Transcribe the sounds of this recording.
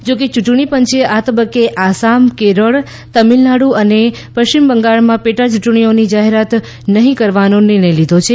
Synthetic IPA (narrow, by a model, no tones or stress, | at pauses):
d͡ʒoket͡ʃuʈɳ̃ipəɲt͡ʃeʔat̪əbəkːeʔasamkeɾəɭ | t̪əmilnaɽũəne | pəʃt͡ʃimbəŋɡaɭmãpeʈat͡ʃuʈɳ̃ionid͡ʒaɦeɾat̪ | nəɦĩkəɾʋanonɪɾɳə̃jlid̪ʱot͡ʃʰe